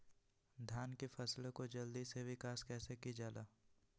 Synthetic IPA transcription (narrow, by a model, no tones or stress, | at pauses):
d̪ʱjaːnkifʰɐslkod͡ʒɐld̪iseʋɪkaːskɛːsekid͡ʒaːlaː